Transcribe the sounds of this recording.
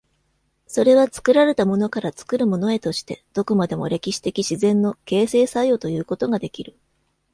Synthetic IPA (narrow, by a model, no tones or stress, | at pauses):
so̞ɾe̞β̞at͡sɨ̥kɯ̟ɾaɾe̞t̪amo̞no̞kaɾat͡sɨ̥kɯ̟ɾɯ̟mo̞no̞e̞t̪o̞ɕi̥t̪e̞d̪̥o̞komad̪e̞mo̞̰ɾʔe̞kʲiɕi̥t̪e̞kʲiɕizẽ̞nːo̞ke̞ːse̞ːsajo̞t̪o̞jɯ̟ːko̞t̪o̞ɡad̪e̞kʲiɾɯ̟